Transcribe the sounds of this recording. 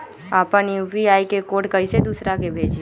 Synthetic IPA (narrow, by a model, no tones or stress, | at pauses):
aːpənjuːbiaːikekoːʈkəised̪uːsɾakebʱeːd͡ʒi